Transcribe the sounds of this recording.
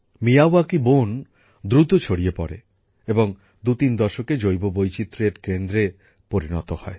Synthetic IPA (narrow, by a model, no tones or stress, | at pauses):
mijawakibon | d̪ɾut̪ot͡ɕʰoɽiepɔ̰ɾḛ | eboŋ | d̪ut̪ind̪ɔʃoked͡ʑojbobojt͡ɕit̪ːɾeɖkend̪ɾe | poɾinɔ̰t̪ohɔe